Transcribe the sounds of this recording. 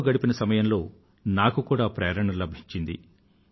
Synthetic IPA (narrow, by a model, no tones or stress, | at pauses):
ɡɐɽipinɐsɐmɐjɐmlo̞ː | naːkukuːɽaːpɾɛːɾɐɳɐlɐbʱiɲt͡ʃind̪ḭ